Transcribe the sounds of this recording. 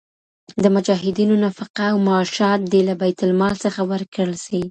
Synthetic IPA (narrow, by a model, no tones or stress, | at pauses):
d̪əmʊd͡ʒɑɦɪd̪inonafaqaːwmaːʃɑt̪̚d̪elabajt̪ʊlmɑlsəxawəɾkɽəlʃi